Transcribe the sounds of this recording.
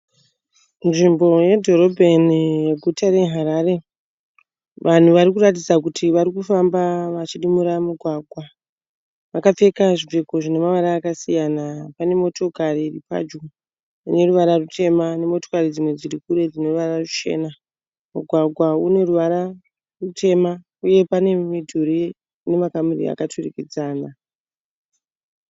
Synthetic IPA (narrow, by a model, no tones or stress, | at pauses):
nʐimbo̞je̞dʱo̞ro̞bʱe̞nijeɡʱutʰaɾe̞ɦaɾare̞ | ʋʔan̤uʋarikurat̬id͡zakutʰiʋaɾikufambaʋat͡ʃiɗimuɾamuɡʱwaːɡʱwa | ʋakap͡fe̞kaʐiveko̞ʐine̞maʋaɾaːkasijanapane̞mo̞to̞kariripa̰d͡ʒu | une̞ruʋaɾarutʰe̞mane̞mo̞to̞karid͡zimwe̞d͡ziɾikuɾe̞d͡zino̞ruʋararut͡ʃe̞̰ːna | muɡʱwaɡʱwaune̞ruʋaɾa | rutʰe̞ma | uje̞pane̞midʱuɾi | ne̞makamurḭa̰katʰurikid͡zaːna